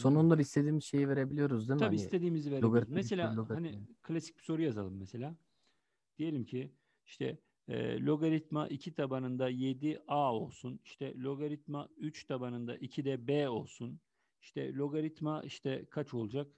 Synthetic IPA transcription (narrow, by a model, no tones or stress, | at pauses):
so̞nunlˠaɾist̪ʰed̪iːmiʃe̞jive̞ɾebilʲijo̞ɾuzd̪emʰabiist̪ʰed̪iːmiziveɾɡmee̞lʲaːanikʰlʲasi̥c̚b̥i̥so̞ɾujazalˠɯmːɛse̞lʲaː | d̪̥ije̞lʲimcʰi | iʃt̪ʰɛ̰ː | lʲo̞ɡaɾit̪ma̰ʔicʰit̪ʰabanɯnd̪aje̞d̪iao̞lˠsuniʃt̪ʰɛlʲo̞ɡaɾit̪mayt͡ʃt̪ʰabanɯnd̪a̰ʔicʰid̪ɛbeːo̞lˠsun | iʃt̪ʰɛ̰lʲo̞ɡaɾit̪maiʃt̪ʰɛkʰat͡ʃo̞lˠd͡ʒak